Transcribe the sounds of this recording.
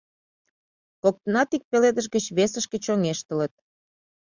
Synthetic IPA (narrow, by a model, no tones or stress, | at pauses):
kok̚t̪ənɑt̪ik̚peled̪əʃ̬ɡət͡ɕβesəʃket͡ɕoŋeʃt̪ələt̪̚